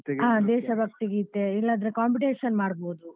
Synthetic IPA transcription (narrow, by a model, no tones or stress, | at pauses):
t̪aːd̪ɛːʃɐbʱɐk̚t̪iɡeit̪ːeilːaːd̪ɐɾekaːmp̬iʈeːʃɐnmaːɽboːd̪u